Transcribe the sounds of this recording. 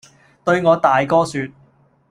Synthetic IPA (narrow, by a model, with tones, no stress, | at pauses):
t̪ɵ˧ɥŋɔː˨˧t̪aː˨jkɔː˥syː˧t̪̚